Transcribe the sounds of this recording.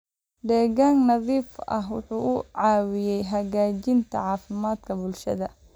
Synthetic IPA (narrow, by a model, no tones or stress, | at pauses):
d̪ɛːɣaːŋnɐðiːfɐɦwʊ̰ħuːʔʊʕɑːwɪjɛjɦɐɣaːt͡ʃɪnt̪ʰɐ̰ʕɑːfɪmaːd̪kʰɐbʊlʃɐ̰ðɐ